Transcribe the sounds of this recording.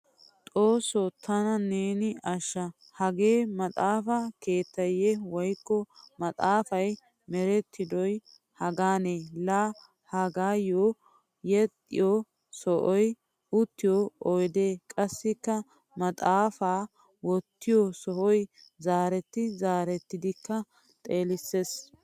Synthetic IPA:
t̪ʼoːsɔt̪ʰɐnɐneːnɪɐʃːɐ | hɐɡe̞ːmɐt̪ʼaːfɐke̞ːt̪ːɐjɛwɔjkːɔmɐt̪ʼaːfɐj | mɛɾɛt̪ːɪd̪ɔj | hɐɡaːneːla | hɐɡaːjoː | jɛt̪ʼːɪ̰jɔ | sɔʔɔj | ʊt̪ːɪjoɔjd̪eːkʼɐsːɪkːɐ | mɐt̪ʼaːfaː | wɔt̪ːɪjɔsɔʔɔj | zaːɾɛt̪ːɪzaːɾɛt̪ːɪd̪ɪkːɐ | t̪ʼe̞ːlɪsːes

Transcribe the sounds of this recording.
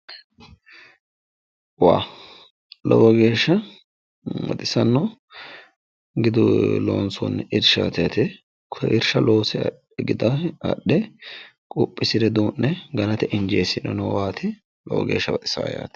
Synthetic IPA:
wa̰ː | lɔwɔɡe̞ːʃːɐ | wɐ̰t̪ʼɪsɐnːɔ | ɡɪd̪ʊlo̰ːnsɔ̰nːɪɾʃa̰t̪ɪjɐt̪ɛ | kʰɔʔɪɾʃɐlo̞ːsɛ | ɡɪd̪ɐɐ̰ɗːɛ | kʼʊpʼːɪsɪd̪ɛd̪uːnːɛɡɐlɐt̪ɛʔɪnd͡ʒeːsɪnɔnɔwaːt̪ʰɪ | lɔ̰wɔ̰ɡe̞ːʃːɐwɐt̪ʼɪ̥sa̰ːja̰ːt̪

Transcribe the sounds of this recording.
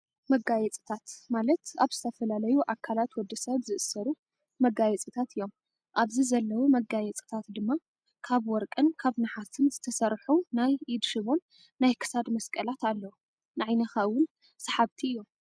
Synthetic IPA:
mɐɡajɛt͡sʼɨ̥t̪ʰat̪malɐt̪aβz̥ɨt̪ʰɐfɐlalɐjuʔakʰalat̪wɔd̪ːɐsɐβzɨʔɨsɐɾu | mɐɡajɛt͡sʼɨt̪ʰat̪ɨjːo̞m | ʔaβzizɐlːɐwumɐɡajɛt͡sʼɨ̥t̪ʰat̪d̪ɨmːa | kʰaβwɔɾkʼɨnkʰaβnɨħat̪ʰɨnzɨt̪ʰɐsɐɾħunajʔid̪ʃɨβo̞nː | ajkʰɨ̥sad̪mɐskʼɐlat̪alːɐwu | nɨʕajnɐxaʔwʊn | sɐħaβt̪ʰiɨjːo̞m

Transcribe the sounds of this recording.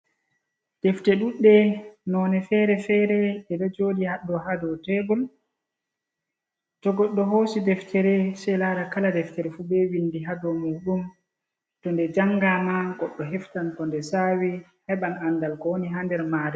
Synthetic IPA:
d̥ɛftɛɗuɗːɛnɔnɛfɛɾɛfɛːɾɛɛdɛd͡ʒoːdihaɗɔhadɔtɛɡɔl | tɔɡɔɗːɔɦoːsidɛftʰɛɾɛsɛlaɾakaladɛftɛɾfubɛwinːdiɦadɔmuːɗum | tɔndɛd͡ʒaŋɡamaɡɔɗːɔɦɛftankɔndɛsawi | hɛɓananːdalkɔwniɦandɛɾmaːɾɛ

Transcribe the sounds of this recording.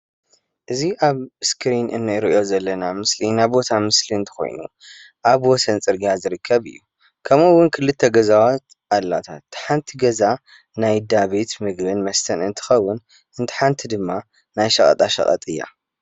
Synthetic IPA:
ʔɨziʔaβskɾinɨ̰nːɨjɾʔo̞zɐlːɐnamɨslinaβbo̞t̪ʰamɨsliɨnt̪ʰɨ̥xo̞̰jnṵ | ʔaβwɔsɐnt͡sʼɨɾɡijazɨɾɨkʰːɐβɨ̰jːu | kʰɐmɨwːʊnkʰɨlːɨt̪ʰːɐɡɐzawat̪ | ʔalːat̪ʰa̰t̪ːħant̪ʰiɡɐza | najd̪aβe̞t̪mɨɡbɨnmɐst̪ʰɐnɨnt̪ʰɨ̥xɐwːʊn | ʔɨnt̪ʰɨ̥ħant̪ʰid̪ɨmːa | najʃɐχʼɐ̰t̪ʼaʃɐ̰χʼɐ̰t̪ʼɨjːa̰

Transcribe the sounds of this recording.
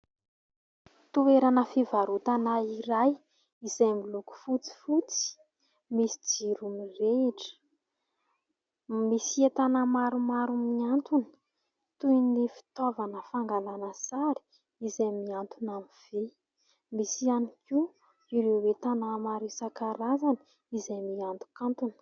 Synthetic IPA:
t̪uweɾanəfivaɾut̪anaiɾaj | izajmiluku̥fut͡si̥fut͡si̥ | misi̥d͡ziɾumireʈ͡ʂə̥ | misiet̪anamaɾumaɾumiant̪un̥ | t̪unlefi̥t̪ovanəfaŋɡalanəsaɾi̥ | izamiant̪unamiv̥e | misianiki | iɾewwet̪anamaɾisakaɾazanə̥ | izajmiant̪u̥kant̪unə̥

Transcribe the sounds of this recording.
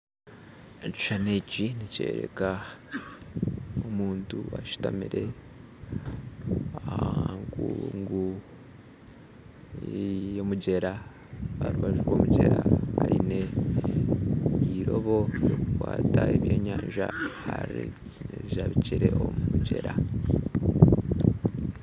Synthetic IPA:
ci̥ʃaneciniceɾeka | omuːntuaʃu̥tamiɾe̞ | ahaŋɡuŋɡu | jomuɟe̞ɾa | βaɾuβaʒuɾwo̞ːmuɟe̞ɾaaine̞ | iɾoβo̞jokukwaːtaeβjo̞ːɲaːnʒahaɾi | neaβiciɾe̞omumuɟe̞ɾa

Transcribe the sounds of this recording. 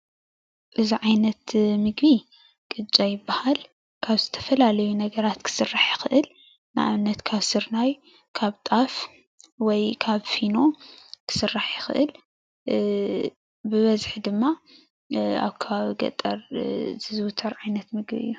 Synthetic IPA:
ʔɨziʕajnɐt̪mɨɡbi | kʼɨt͡ʃʼːajɪbːahal | kʰaβzɨt̪ʰɐ̥fɐlalɐjunɐɡɐɾat̪kʰɨ̥sɨrːaħjɪxɨʔɨl | na̰ʔaβnːɐt̪kʰaβsɨɾnaj | kʰaβt̪ʼaf | wɔjkʰaβfino̞kʰɨ̥sɨrːaħjɪxʔɨ̰l | bɨβɐzħd̪ɨmːa | a̰βkʰɐβaβiɡɐ̰t̪ʼɐɾzɨzɨwɨt̪ʰːɐɾʕajnɐt̪mɨɡbḭɨ̰jːu

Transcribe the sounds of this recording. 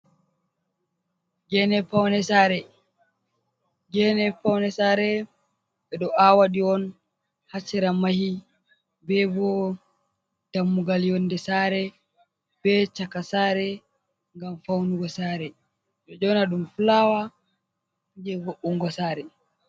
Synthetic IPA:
ɡɛnɛfawnɛsaːɾɛ | ɡɛnɛfawnɛsaːɾɛ | ɓɛɗɔʔawaɗiɔn | hat͡ʃːɛɾamahi | bɛbɔ | d̥amːuɡaljɔndɛsaɾɛ | b̥ɛt͡ʃakasaːɾɛ | ŋɡamfawnuɡɔsaɾɛ | ɗɔd͡ʒɔnaɗumfulawa | d͡ʒɛɡɔʔuŋɡɔsaːɾɛ

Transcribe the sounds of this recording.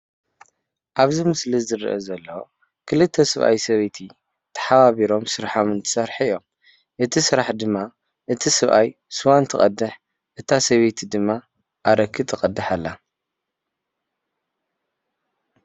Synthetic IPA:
ʔaβzimɨslizɨɾɨ̰ʔɐzɐlːɐwo | kʰɨlɨt̪ʰːɐsɨβʔa̰jsɐβet̪ʰi | t̪ʰɐ̥ħaβaβiɾo̞msɨɾħomɨnt̪ʰɨ̥sɐɾħjːom | ʔɨt̪ʰisɨɾaħd̪ɨmːa | ʔɨt̪ʰisɨβʔaj | sɨwant̪ʰɨkʼɐ̰d̪ːɨħ | ʔɨt̪ʰasɐβet̪ʰid̪ɨmːa | ʔaɾɐkʰːɨt̪ʼʰɨqʼɐd̪ːɨħalːa

